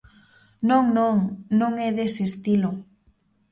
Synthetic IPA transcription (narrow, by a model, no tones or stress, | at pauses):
nõŋnõŋnõŋɛðesɪest̪ilʊ